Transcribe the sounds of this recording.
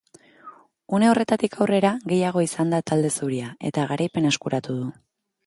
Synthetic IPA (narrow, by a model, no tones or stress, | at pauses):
une̞o̞re̞t̪at̪ikʰawre̞ɾaɣe̞jaɣ̞o̞isand̪at̪ald̪e̞suɾiae̞̰t̪aɣ̞aɾʔajpe̞ne̞skuɾat̪uðu